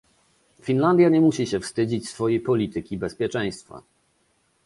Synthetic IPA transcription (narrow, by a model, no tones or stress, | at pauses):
fʲinland̪jaɲɛmuɕiɕɛfst̪ɘd͡ʑit͡ɕsfɔjejpɔlʲit̪ɘkʲibɛspʲjɛt͡ʂɛ̃j̃st̪fa̰